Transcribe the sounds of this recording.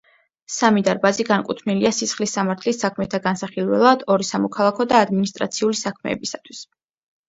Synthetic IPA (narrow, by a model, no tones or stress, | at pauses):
samid̪aɾbaziɡankʼut̪ʰvniliasisχlisːamaɾt̪ʰlisːakʰmɛt̪ʰaɡansaχilˠwɛ̰lˠad̪ɔɾisamɔkʰalˠakʰɔd̪aːd̪minist̪ʼɾa̰t̪sʰiulisakʰmɛ̰ːbisat̪ʰwis